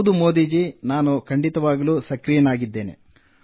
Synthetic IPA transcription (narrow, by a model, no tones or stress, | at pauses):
d̪umo̞ːd̪iːd͡ʒinaːnukʰɐɳɖit̪ɐʋaːɡɐluːsɐkɾijɐnaːɡid̪ːe̞ːne̞̰